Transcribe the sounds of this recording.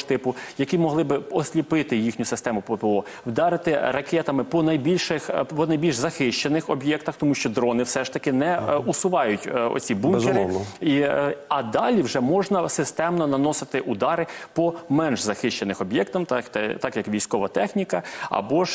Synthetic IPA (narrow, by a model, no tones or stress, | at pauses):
t̪ɪpʊjɐkʲimɔɦlˠɪbɪɔsʲlʲipɪt̪ɪjixnʲʊsɪst̪ɛmʊpɔpɪɔ | wd̪ɑɾɪt̪ɪrɐkɛt̪ɐmɪpɔnɐjbʲilʲʃɪxpɔnɐjbʲilʲʒzɐxɪʃt͡ʃenɪxɔbjɛkt̪ɐxt̪ɔmuʃt͡ʃɔd̪ɾɔnɪwsɛʃt̪ɐkɪnɛusʊʋɑjʊtʲɔ̰t͡sʲsʲibuŋbzk̪ɪɾɔɪniɐd̪ɑlʲiwʒɛmɔʒnɐsɪst̪ɛmnɔnɐnɔsɪt̪ɪʔud̪ɑɾɪpɔmɛnʒzɐxɪʃt͡ʃenɪxɔbʲjɛkt̪ɐmt̪t̪ɛt̪ɑkjɐkʋʲijsʲkɔʋɐt̪ɛxnʲikɐɐ̰bɔʒ